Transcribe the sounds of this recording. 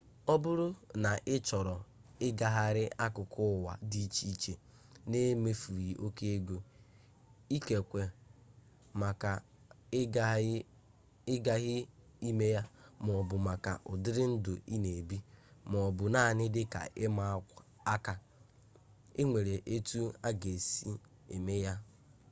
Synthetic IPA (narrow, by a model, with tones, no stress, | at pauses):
ɔ˦bʊ˦ɾʊ˦na˨ʔɪ˦t͡ʃɔ˨ɾɔ˨ɪ˦ɡa˨ɦa˦ɾɪ˦a˦kʊ˨kʰʊ˦˨wa̰˨di˦t͡ʃi˦t͡ʃe˨ | ne˦me˦fu˨ɾi˨ʔo˦ke˦e˦ɡo˦ | i˦ke˨kʷe˨ | ma˨ka˨˦ | ɪ˦ɡa˦ɣɪ˦i˦me˦ja˦m˨ɔ˨bʊ˨ma˨ka̰˨ʔʊ˨dɪ˦ɾɪ˦n̩˦dʊ˨i˦ne˨bi˦mɔ˨bʊ˨na˦˨nɪ˦dɪ˦ka̰˨ʔɪ˦ma˦ | a˦ka˨ | e˦ŋʷe˨ɾe˨ʔe˦tu˦a˦ɡe˨si˦ | e˨me˦ja˦